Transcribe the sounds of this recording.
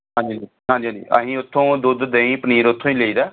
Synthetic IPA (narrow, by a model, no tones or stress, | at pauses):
ɦãːnd͡ʒiad͡ʒi | ɦãːɲd͡ʒiɦãːd͡ʒḭə̰ɦĩːʊt̪ʰːõːd̪ʊd̪d̪eːĩːpəniːɾʊt̪ʰːõːĩːleiːd̪aː